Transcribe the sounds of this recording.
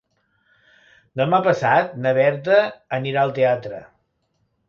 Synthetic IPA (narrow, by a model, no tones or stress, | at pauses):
nomapəsat̪̚nəβɛɾt̪̬əːniɾaəlˠt̪eat̪ɾə̰